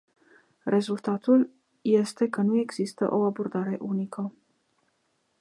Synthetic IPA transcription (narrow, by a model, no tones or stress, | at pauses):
rʔe̞zult̪at̪ul | je̞st̪e̞kənue̞ɡz̥ist̪ə̰ʔo̞abo̞rd̪aɾe̞ʔunikʰə